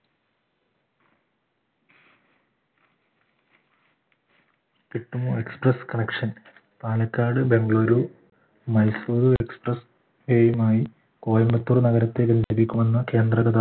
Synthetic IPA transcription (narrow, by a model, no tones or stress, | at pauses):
kiʈːumue̞ksprɐskɐnekʂɐn | t̪aːlɐkːaːɖɨbe̞ŋɡɭoːɾuː | mɐjsuːðue̞ksprɐs | ʋeːjumaːji | ko̞ːjɐmbɐt̪ːurnɐɣɐɾɐt̪ːe̞ɡɐnd̪ipːikʲːumenːɐke̞ːnd̪rɐɡɐd̪a